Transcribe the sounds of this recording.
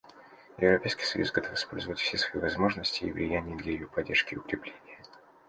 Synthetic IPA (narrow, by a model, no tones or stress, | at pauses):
jɪvɾɐpʲejskʲi̥jsɐjṵsɡɐt̪o̞fɨ̥spo̞lʲzəvətʲfsʲesvɐivɐzmo̞ʐnəsʲtʲɪḭvlʲɪjænʲɪjəd̪lʲəjɪjopɐdʲːerʂkʲɪʊkɾʲɪplʲenʲɪjə